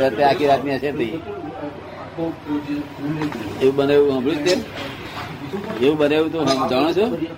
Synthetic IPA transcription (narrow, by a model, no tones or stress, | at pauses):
əɾt̪eakʰiɾakniəʃʰet̪ʰəĩ | eũɓəneʋũɦə̃bʱlut̪ːe | eũɓəneʋũt̪oɦə̃d͡ʒaɽ̃ũt͡ʃʰũ